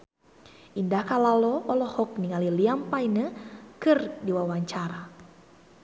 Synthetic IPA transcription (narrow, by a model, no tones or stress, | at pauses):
ʔindahkalalɔʔɔlɔhɔk̚niŋaliliampainəkɨrdiwawaɲt͡ʃaɾa